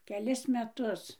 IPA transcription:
kʲɛˈlʲɪs mʲɛˈtʊs

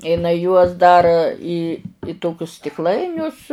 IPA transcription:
ɪˈnɐɪ juɔs ˈdɐr iː ˈtoːkʲʊs sʲtʲɪkˈlˠɐɪnʲʊs

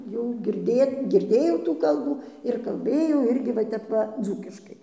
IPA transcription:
jɛʊ ɡʲɪrʲˈdʲeːt ɡʲɪrʲˈdʲeːjɛʊ tuː ˈkɐlˠbuː ɪr kɐlʲˈbʲeːjɛʊ ˈɪrʲɡʲɪ ʋɐ ˈtʲɛp ʋɐ ˈd͡zuːkʲɪʃkɐɪ

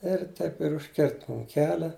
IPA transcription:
ɪr ˈtɐɪp ɪr ʊʃʲˈkʲɪrt ˈmʊm ˈkʲæːlʲɛ

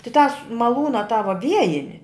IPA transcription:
tʲɪ tɑːs mɐˈlˠuːnɐ tɑː ʋɐ ˈʋʲiɛjɪnʲɪ

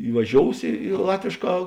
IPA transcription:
ɪʋɐˈʒʲoːʊs ɪ ɪ ˈlˠɑːtʲʋʲeːʃˌkɑː

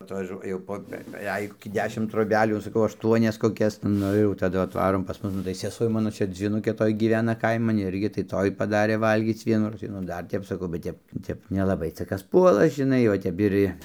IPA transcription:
ɐtʋɐˈʒuɔ jɛʊ ˈpoː bʲɛˈʋʲɛɪk koːˈkʲiː ˈdʲæːʃʲɪm troːˈbʲæːlʲuː sɐˈkɐʊ ɐʃˈtuɔnʲɛs koːˈkʲɛs ˈnʊ ɪr jɛʊ tɐˈdʊ ɐtˈʋɑːroːm pɐs ˈmʊs nʊ tɐɪ sʲɛˈsuɔ ˈmɑːnoː ˈt͡ʃʲɛ d͡zʲʋʲiːˈnʊkʲeː ˈtoːj ɡʲiːˈʋʲæːnɐ ˈkɐɪmɐn ˈɪrʲɡʲɪ tɐɪ ˈtoːj pɐˈdɑːrʲeː ˈʋɐlʲɡʲiːt͡s ˈʋʲiɛnuːroːs tɐɪ nʊ ˈdɐr ˈtʲɛp sɐˈkɐʊ bʲɛt ˈtʲɛp ˈtʲɛp nʲɛlˠɐˈbɐɪ ˈt͡sɐ ˈkɐs ˈpuɔlˠɐ ʒʲɪˈnɐɪ oː ˈtʲɛp ɪr ɪ

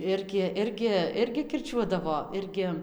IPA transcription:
ˈɪrʲɡʲɪ ˈɪrʲɡʲɪ ˈɪrʲɡʲɪ kʲɪrʲˈt͡ʃʲuɔdɐʋoː ˈɪrʲɡʲɪ

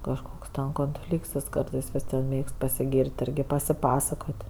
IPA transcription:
kɐʃˈkoːks koːnʲˈfʲlʲiːkts jɪs ˈkɐrtɜs ʋʲɪˈsʲiɛm ˈmʲeːkst pɐsʲɪˈɡʲiːrʲtʲ ˈɪrʲɡʲɪ pɐsʲɪˈpɑːsɐkoːtʲ

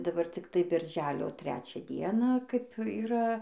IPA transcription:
dɐˈbɐr t͡sʲɪkˈtɐɪ bʲɪrʲˈʒʲæːlʲoː ˈtʲrʲæːt͡ʃʲæː ˈdʲiɛnɑː kɐɪp iːˈrɐ

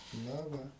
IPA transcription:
ˈnɐ ˈʋɐ

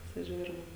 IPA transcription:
pɐsʲɪˈʒʲuːrʲɪm

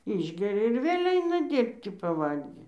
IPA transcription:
ˈɪʒʲɡʲɛrʲɛ ɪr ˈʋʲeːlʲ ˈɐɪnɐ ˈdʲiːrʲpʲtʲɪ pɐˈʋɐlʲɡʲiː

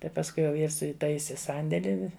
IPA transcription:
tɐɪ pɐsˈkʊɪ jɛʊ ˈjɪs ɪˈtɐɪsʲɪ ˈsɐnʲdʲeːlʲɪ

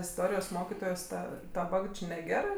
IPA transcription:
ɪsˈtoːrʲɪjoːs ˈmoːkʲɪtoːjoːs ˈtɐ dɐˈbɐ jɛʊ ˈt͡ʃʲɪ nʲɛˈɡʲæːrɜ

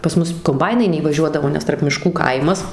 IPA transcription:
pɐs ˈmʊs koːmˈbɐɪnɐɪ nʲɛiːʋɐˈʒʲuɔdɐʋoː nʲɛs tɐrp mʲɪˈʃkuː ˈkɐɪmɐs

